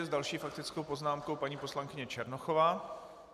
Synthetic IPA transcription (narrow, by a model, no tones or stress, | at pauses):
ɛzdalʃiːfak̚t̪ɪt͡sko̞wpo̞znaːmkowpaɲiːpo̞slaŋkɪɲɛt͡ʃɛɾnoxovaː